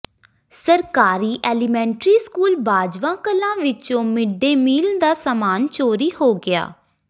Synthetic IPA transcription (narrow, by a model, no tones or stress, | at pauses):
səɾkaːɾiːʔɛːlɪmɛ̃ːɳʈɾiːskuːlbaːd͡ʒʋãːkəlãːʋɪt͡ʃõːmɪɖeːmiːld̪aːsamaːnt͡ʃoːɾiːhoːɡɪa̰ː